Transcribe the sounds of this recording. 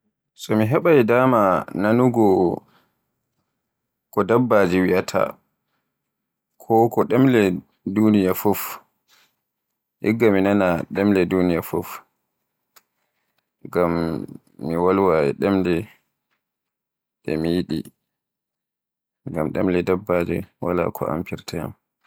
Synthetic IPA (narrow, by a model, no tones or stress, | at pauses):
sɔmiɦɛɓajdaːmananuɡɔ | kɔdabːad͡ʒiwiatʰa̰ | kʰɔkɔɗɛmlɛ | dunijafof | ʔḭɡːaminanaɗɛmlɛdunijafof | ɡamː | iwalwaɛ̰ɗɛmlɛ | ɗɛ̰mijiɗḭ | ɡamɗɛmlɛdabːad͡ʒɛ̰wala̰kʰɔ̰a̰mpiɾtʰaja̰m